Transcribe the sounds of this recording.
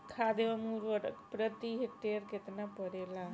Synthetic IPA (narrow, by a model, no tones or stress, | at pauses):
kʰad̪ebamuɾʋəɾkpɾət̪iɦekʈeɾket̪napəɾela